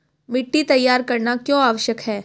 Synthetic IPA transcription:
mɪʈːit̪ɐjːaːɾkɐɾnakjõːaːʋəʃjəkɦɛː

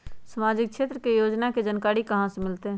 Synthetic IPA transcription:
səmaːd͡ʒɪk̚kʃeːt̪ɾəkejoːd͡ʒnaked͡ʒənkaːɾikɐɦãsemɪlt̪eɦ

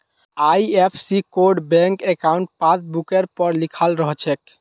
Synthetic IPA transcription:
ajepʰsikoɾɖbɛ̃ŋkekauɳʈ̚pãtbukeɾpɔɾlikʰalɾɔɦt͡ʃʰɛk̚

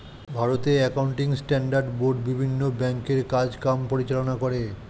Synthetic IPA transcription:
bʱaɾot̪eɛkawɳʈiŋsʈɛɳɖaɾɖboɾɖbibʱinːobɛŋkeɾkad͡ʑkampoɾit͡ɕalonakoɾe

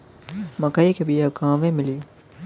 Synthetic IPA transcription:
mɐkaikʰebijɐkãːʋẽmɪliː

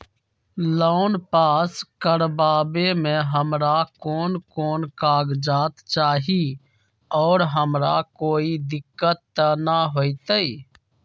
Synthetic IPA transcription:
lɔʊnpaːskəɾbaːbemẽɦəmɾakɔːnkoːnkaːɡd͡ʒaːt̪t͡ʃaːɦi | ɔːɾɦəmɾakoːid̪ɪkːət̪ːənaɦoːit̪əi

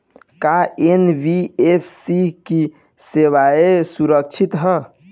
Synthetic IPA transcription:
kaenbiepʰsiki | seʋaesuɾək̚t͡ʃʰit̪ɦə

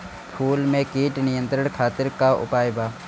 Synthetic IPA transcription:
pʰuːlmẽkiːʈnɪjə̃nt̪ɾəɽkʰaːt̪ɪɾkaʊ̰paːjbaː

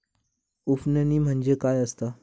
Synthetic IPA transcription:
ufnəniːm̤əɳd͡ʑekajəst̪a

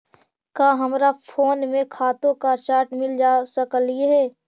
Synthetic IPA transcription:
kaːɦɐmɾapʰoːnmẽkʰaːt̪õkat͡ʃaːɾʈmɪld͡ʒaːsəklɪeɦɛː

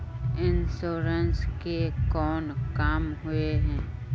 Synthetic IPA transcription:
ɪnsoːɾənskekɔːnkaːmɦʊeɦɛ̃ː

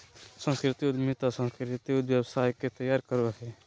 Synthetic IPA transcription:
sə̃ŋskɾɪt̪iʊd̪miːt̪asə̃ŋskɾɪt̪iʊd̪wjəwsaːjket̪əjaːɾkəɾʋaɦɛː

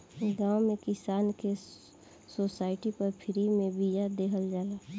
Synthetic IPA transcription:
ɡãːwmẽkɪsaːnke | soːsaːɪʈipɐɾpʰɪɾimẽbijad̪eːɦəld͡ʒaːlaː

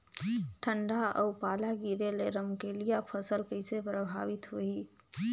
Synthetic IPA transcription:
ʈʰəɳɖaʔə̰upalaɡiɾeleɾəmkelijapʰəsəlkəɪsepɾəbʱa̰ʋit̪ɦoi

